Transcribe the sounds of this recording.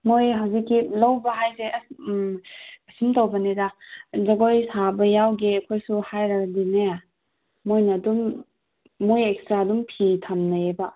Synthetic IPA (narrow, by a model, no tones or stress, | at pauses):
mojɦawzikːilɐwbɐɦajse | ɐsimtowbɐnidazɐɡojsabɐjawɡeɐkʰojsuhajɾɐɡɐdinaja | mojnɐdumː | ojekstɾadumpʰitʰamnɐebɐ